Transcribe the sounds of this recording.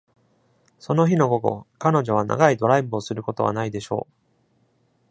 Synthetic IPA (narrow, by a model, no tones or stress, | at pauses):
so̞no̞çino̞ɡo̞ɡo̞̰kano̞ʑo̞β̞ana̰ɡaid̪o̞ɾaibɯ̟o̞sɨɾɯ̟ko̞t̪o̞βa̰naid̪e̞ɕo̞̰ː